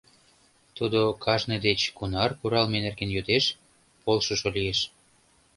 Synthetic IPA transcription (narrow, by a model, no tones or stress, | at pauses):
t̪ud̪okʰɑʒned̪et͡ɕkunɑrkuɾɑlmenerɡenjød̪eʃ | polʃoʃolieʃ